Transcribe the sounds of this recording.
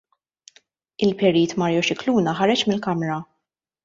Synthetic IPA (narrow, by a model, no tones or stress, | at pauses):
ɪlpɛɾiːt̪mɐɾjɔʃɪkluːnɐħɐɾɛt͡ʃmɪlkɐmɾɐ